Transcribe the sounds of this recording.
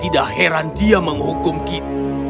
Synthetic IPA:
t̪idaʔheɾandiaməŋɦukʊmkit̪a

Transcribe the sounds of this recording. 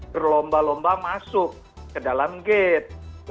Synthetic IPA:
ərlɔmbalɔmbamasʊk̚ː | ədalamɡet̪̚l

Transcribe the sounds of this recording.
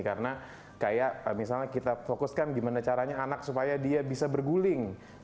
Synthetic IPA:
kaɾəna | kajaʔmisalɲakit̪afokʊskanɡimanat͡ʃaɾaɲaːnak̚supajadiabisabərɡulɪŋ

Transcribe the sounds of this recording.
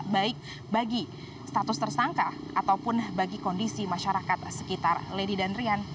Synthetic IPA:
baɪk̚ | baɡi | st̪at̪ʊst̪ərsaŋka | ʔat̪awpʊnbaɡikɔndisimaʃaɾakat̪̚sə̥kit̪arledidanrian

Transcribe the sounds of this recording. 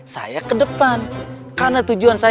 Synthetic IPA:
sa̰jakədəpan | kanat̪ud͡ʒuansa

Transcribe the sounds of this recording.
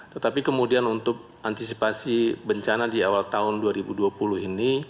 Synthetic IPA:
t̪ət̪apikəmudianunt̪ʊk̚ | ant̪isipasibəɲt͡ʃanadiawalt̪aɦʊnduaɾibuduapulʊɦini

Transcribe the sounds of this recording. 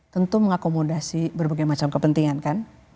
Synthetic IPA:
t̪ənt̪uməŋakomodasibərbaɡajmat͡ʃamkəpənt̪iŋankan

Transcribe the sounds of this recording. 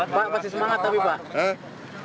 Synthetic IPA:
paʔpast̪is̬əmaŋat̪ːapipaʔə

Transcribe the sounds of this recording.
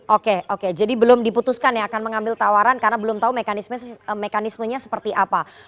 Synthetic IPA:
ʔokeoked͡ʒadibəlʊmdiput̪uskanjaakanməŋambɪlt̪awaɾankarnabəlʊmt̪aumekanisməsəmekanisməɲasə̥pərt̪iʔapa

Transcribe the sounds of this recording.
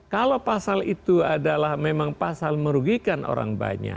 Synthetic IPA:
kalopasalit̪uadalahmemaŋpasalməɾuɡikanʔo̰ɾa̰ŋba̰ɲa̰

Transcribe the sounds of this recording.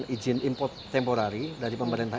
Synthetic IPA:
nʔid͡ʒɪnimpɔt̪ːɛmpoɾaɾidaɾipəmbadant̪a

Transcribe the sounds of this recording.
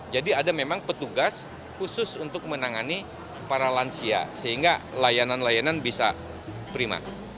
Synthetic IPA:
d͡ʒadiadamemaŋpət̪uɡas | husʊsunt̪ʊk̚mənaŋani | paɾalansia̰səɦiŋɡalajananlajananbisa̰ | pɾima̰

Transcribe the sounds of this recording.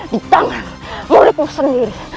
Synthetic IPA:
dit̪aŋan | muɾɪt̪̚muŋsəndiɾi

